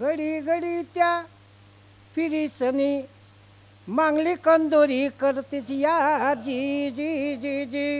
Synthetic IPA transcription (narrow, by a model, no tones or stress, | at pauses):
ɡəɽiɡəɽit̪ja | fiɾit͡səni | maŋɡlikənd̪oɾikəɾt̪it͡sjad͡ʑid͡ʑid͡ʑid͡ʑi